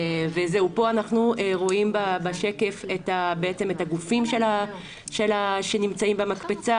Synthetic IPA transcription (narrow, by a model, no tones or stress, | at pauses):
veze̞upo̞anaχnueʁo̞imbabaʃe̞ke̞fetabeet͡se̞metaɡufimʃela | ʃelaʃe̞nimt͡saimbemakpet͡sa